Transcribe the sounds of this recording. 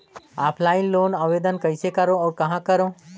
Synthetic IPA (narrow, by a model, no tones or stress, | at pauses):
aːpʰlaːɪinloːnaʋeːd̪ənkəɪsekəɾõɔːɾkɐɦãkəɾõ